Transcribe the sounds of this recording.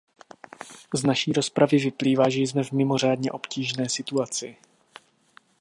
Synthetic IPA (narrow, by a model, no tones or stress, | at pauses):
znaʃiːɾo̞spɾavɪvɪpliːvaːʒɛjzmɛvmɪmo̞r̝aːdɲɛʔo̞pciːʒnɛːsɪt̪uat͡sɪ